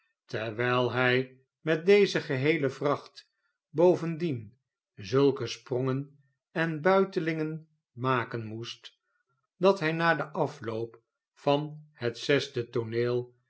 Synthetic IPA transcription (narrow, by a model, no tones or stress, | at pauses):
təɹʋɛjlˠɦɛj | mɛt̚dejzəχəɦejləvrɑχt | bowvəndin | zɵlˠkəsproŋən | ɛnbœɥtəlɪŋən | maːkənmust | dɑtɦɛjnaːdəʔɑflowp | fɑnhətsɛsdətoneːlˠ